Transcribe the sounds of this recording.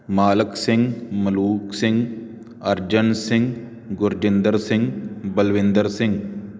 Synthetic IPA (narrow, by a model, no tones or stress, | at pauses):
maːləksɪ̃ŋɡmɐluːksɪ̃ŋɡ | ɐɾd͡ʒənsɪ̃ŋɡ | ɡʊɾd͡ʒɪ̃nd̪əɾsɪ̃ŋɡbəlʋɪ̃nd̪əɾsɪ̃ŋɡ